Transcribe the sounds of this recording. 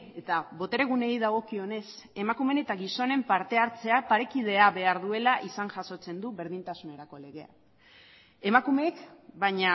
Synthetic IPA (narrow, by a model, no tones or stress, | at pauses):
e̞t̪aβo̞t̪e̞ɾe̞ɣune̞ijðaɣ̞o̞kio̞ne̞s | e̞makume̞ne̞t̪aɣiso̞ne̞mpaɾt̪e̞aɾt͡se̞apaɾe̞kiðe̞aβe̞aɾðue̞laʔisaŋʝaso̞t͡se̞nd̪uβe̞ɾð̞int̪asune̞ɾako̞le̞ɣ̞e̞a̰ | e̞makume̞kbaɲa